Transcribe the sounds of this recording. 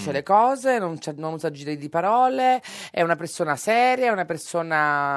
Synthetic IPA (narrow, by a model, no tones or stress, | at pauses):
t͡ʃelekɔːzenont͡ʃɛnonuzad͡ʒiːɾd̪ipaɾɔːle | ɛunapersoːnasɛːɾjaɛunapersoːna